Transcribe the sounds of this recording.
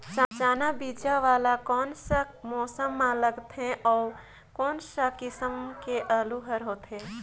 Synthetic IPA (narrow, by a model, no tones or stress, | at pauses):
sə̃t͡ʃaːnabid͡ʒaʋaːlakɔːnsamɔːsəmːãləɡt̪ɦẽʔɔːɾ | kɔːnsakɪsəmkeʔəluɦəɾɦoːt̪ɦẽ